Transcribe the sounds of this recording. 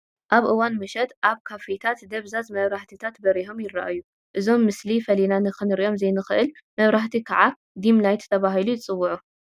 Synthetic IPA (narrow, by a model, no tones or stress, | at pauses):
ʔaβʔɨwanmɨʃɐt̪ʔaβkʰafet̪ʰat̪d̪ɐβzazmɐβɾaħt̪ʰit̪ʰat̪bɐɾiɦo̞mjɪɾːa̰ʔajːu | ʔɨzo̞mːɨslifɐlinanɨxɨnɨɾiʔo̞mzɐjnɨxɨʔɨl | mɐβɾaħt̪ʰikʰaʕa | d̪imlajt̪t̪ʰɐβaɦilujɪt͡sʼɨwːʊʕu